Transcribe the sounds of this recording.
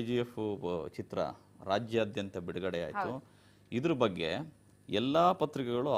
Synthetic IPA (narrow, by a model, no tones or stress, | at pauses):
d͡ʒijefut͡ʃit̪ɾɐ̰ | ɾaːd͡ʒjɐːd̪jɐnt̪ɐbiɽuɡɐɽeja̰ːjt̪u | id̪ɐɾubɐɡːe̞̰ | ɛlːaːpɐt̪ɾikɛɡɐɭu